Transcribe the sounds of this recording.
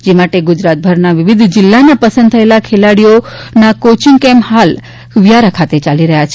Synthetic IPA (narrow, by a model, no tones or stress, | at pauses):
d͡ʒemaʈeɡʊd͡ʒɾat̪̚bʱəɾnaʋiʋid̪ʱd͡ʒɪlːanapəsə̃nd̪̚t̪ʰəelakʰelaɽijonakot͡ʃiŋkemhal | ʋjaɾakʰat̪et͡ʃaliɾəɦjat͡ʃʰ